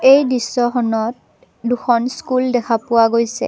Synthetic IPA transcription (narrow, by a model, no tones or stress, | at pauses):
ejdisːɔxɔnɔt̚ | duxɔnskuldɛkʰapʊwaɡojsɛ̰